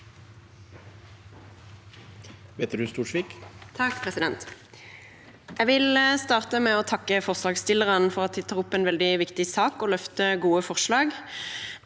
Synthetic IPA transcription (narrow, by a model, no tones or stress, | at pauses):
ʋeːt̪ɖ̪ʉst̪uːʂʋiːkt̪ʰɑkpʰʁɛsɪd̪ɛnt̪ | æɡʋɪlst̪ɑːʁt̪əmɛːoːt̪ʰɑkːəfɔʁslɑːɡst̪ɪləʁənfɔʁɑt̪̚d̪iːt̪ʰɑːʊpːɛːnʋɛld̪ɪʋɪkt̪ɪsɑːkoːlœft̪əɡuːəfɔʁʃlɑːɡ